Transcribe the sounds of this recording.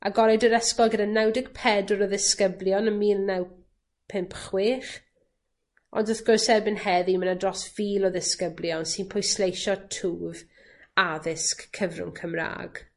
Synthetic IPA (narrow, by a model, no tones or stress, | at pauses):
ʔa̰ɡɔɾɛdəɾɛskɔlˠɡədanɛwdɪɡ̥pʰɛdʊɾɔðɪskəblˠjɔnəmiːlˠnɛw | pʰɪmpχwɪːχ | ɔ̰ndəθɡ̥ʊrsɛrbɪnhɛðimənadrɔsv̥iːlˠɔðɪskəbljɔnsinpʰɔjslejʃɔtʰuːv | aðɪskʰːəvrʊ̰ŋkʰəmra̰ːɡ̥